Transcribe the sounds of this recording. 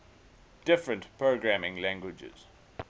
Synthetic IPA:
d̥ɪfɹə̃ntpʰɹoɡɹæmɪ̃ŋlæ̃ŋɡwɪd͡ʒɪ̰z̥

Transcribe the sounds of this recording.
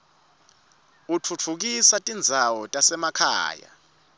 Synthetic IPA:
ut͡fʰut͡fʰuk̬isatʼind͡zʱawɔtʼasɛmakʰa̰ːja̰

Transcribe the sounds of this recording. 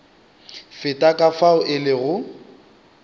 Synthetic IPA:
fɪtʼakʼafaʊʔɪlɪɣʊ

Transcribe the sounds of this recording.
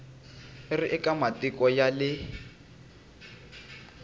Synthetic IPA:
ɪrɪʔɛkamatikɔjalɪ

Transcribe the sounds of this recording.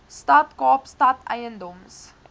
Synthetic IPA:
stɐtkɑːpstɐtʰɛjəndɔms

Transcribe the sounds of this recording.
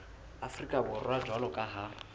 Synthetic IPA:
afrikʼabʊrwad͡ʒʱwalɔkʼaɦa

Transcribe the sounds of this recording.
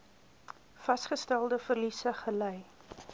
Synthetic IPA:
fɐsχəstælˠdəfərlisəχəlɛj

